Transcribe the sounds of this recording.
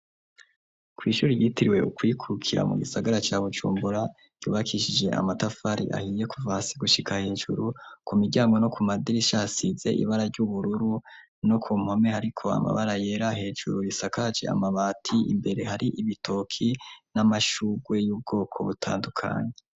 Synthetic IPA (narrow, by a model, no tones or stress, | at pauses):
kwiːʃuːɾijiːtiɾiwe̞ukwikʰukʰiɾa̰mṵɡisaɡaɾat͡ʃaːβud͡ʒṵːmbuɾa | ɟ̥ṵːβakʰiʃid͡ʒe̞ʔa̰matafaɾḭʔa̰hiːje̞kʰuvasiɡuʃikahe̞ːd͡ʒṵɾukumiɟaːŋɡo̞no̞kumadiɾiʃasize̞̰ʔḭβaɾaɾɟuβuɾuɾu | no̞kʰuːm̥ho̞me̞haɾikʰo̞a̰ma̰βaɾaje̞ɾahe̞ːd͡ʒuɾujisakad͡ʒe̞̰a̰maβaːtʰiḭmbe̞ɾe̞haɾiʔiβitʰo̞kʰinamaʃuɡwe̞juːb̚ɡo̞ːkʰo̞̰βutʰa̰ːndukʰa̰ːɲe̞